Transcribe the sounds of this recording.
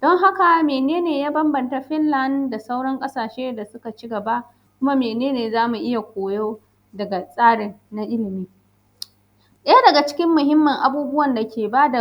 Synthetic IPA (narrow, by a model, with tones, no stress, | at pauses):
d̥ɔ˦ŋɦa˦ka˨meː˨neː˦neː˨jaː˦bɐ˦mbɐ˨nta˦ɸɪ˦nlɐ˦nda˨sa˦wɽɐ˦ŋkʼɐ˦saː˨ʃeː˦da˨sʊ˦ka˨t͡ʃɪ˦ɡɐ˨ba˦ | kʷʊ˦ma˦meː˨neː˦neː˨zaː˦mu˨ʔɪ˦ja˨kʷoː˨joː˦ | dɐ˨ɡa˨sʼaː˦ɽɪ˨nna˦ʔɪ˦lɪ˨miː˦ | ɗɐ˦ja˦dɐ˨ɡa˨t͡ʃɪ̥˦kʲɪ˦mːʊ˨ɦɪ˦mːɐ˨ŋʔa˦buː˦bʊ˦wɐ˨nda˨kʲeː˨baː˦da˨